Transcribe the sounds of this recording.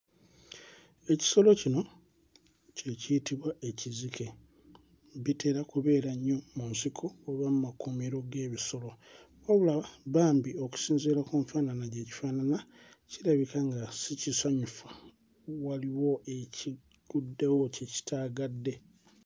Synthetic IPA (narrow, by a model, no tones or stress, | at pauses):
e̞ci̥so̞lo̞cino̞ | ce̞cijitiβwaʔe̞cizikʰe̞ | βite̞ːɾakuβe̞ːɾaɲːo̞munsikʰo̞ːβamumakumiɾo̞ɡe̞ːβiso̞lo̞ | oβulaβaβaːmbio̞ku̥siːnziɾakumfaːnanaɟe̞ːci̥faːnana | ciɾaβikaŋɡasicisaɲufḁ | waliwo̞ʔeci | ɡ̥udːewoceci̥tʰaːɡadːe̞